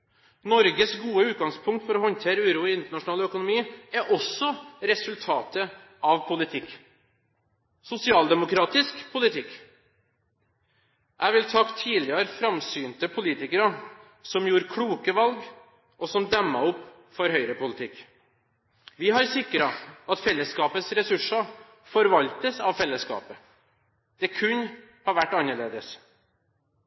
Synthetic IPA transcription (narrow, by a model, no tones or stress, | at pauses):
nɔɾɡəsɡuːəʉːt̪̚ɡɑŋspʰʊŋkt̪fɔɾɔhɔnt̪ʰeːɾəʉːɾuːɪɪnt̪əɳɑʂʊnɑːlœkʊnʊmiːæɾʔɔsɔɾɛsʉlt̪ʰɑːt̪ə | ɑʋpʰʊlɪt̪ʰɪkː | sʊsɪɑːld̪ɛmʊkɾɑːt̪ɪskpʰʊlɪt̪ʰɪkː | ʔæʋɪlt̪ʰɑkt̪ʰiːlɪəɾfɾɑmsyːnt̪əpʰʊliːt̪ɪkəɾə | sɔmjuːɾkʰɽuːkəʋɑlɡ | ʔɔsɔmd̪œmːɑʊpː | fɔɾhœʏɾəpʊlɪt̪ʰɪkː | ʋɪɦɑɾsɪkːɾɑɑt̪fɛlːəskɑːpəsɾɛsʉʂɑ | fɔɾʋɑʎt̪əsɑʋfɛlːəskɑ̰ːpə | d̪̥ɛkʰʉn | hɑɾʋæʈːɑnːəɭeːd̪əs